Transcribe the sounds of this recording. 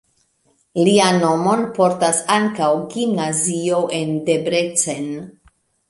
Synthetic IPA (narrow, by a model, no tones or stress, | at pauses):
liano̞mo̞npo̞ɾtasaŋkawɡimnazio̞ʔe̞nde̞bɾet͡sen